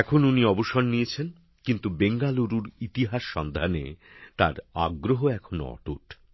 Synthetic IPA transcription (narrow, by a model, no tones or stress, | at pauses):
ɛkʰonuniɔboʃonːijet͡ɕʰen | kint̪ubeŋɡaluɾuɾit̪iɦaʃːɔnd̪ʱanḛ | t̪a̰ɾa̰ɡɾoɦoɛkʰono̰ɔ̰ʈuʈ